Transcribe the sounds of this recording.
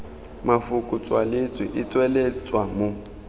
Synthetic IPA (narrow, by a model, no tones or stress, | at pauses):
mafʊkʼʊt͡sʼwalet͡sʼwiʔɪt͡sʼwɛlɛt͡sʼwamʊ